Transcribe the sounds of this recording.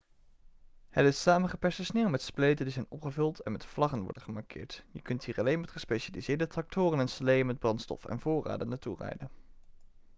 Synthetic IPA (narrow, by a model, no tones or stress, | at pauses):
hətɪssaːmənχəpɛɹsəsneːwmɛtsplejtəndizɛjnɔpχəvɵlˠtʰɛnmɛtflɑχənʋɔ̰ɹdəχəmɑɹkʰɪ̰ːɹtjəkɵntɦiːɹɑlejnmɛtχəspeʃalizɪːɹdətrɑk̚tʊːrənɛnsəlejənmɛd̚brɑntstɔ̰fɛ̰nvʊːra̰ːdənaturɛ̰jdən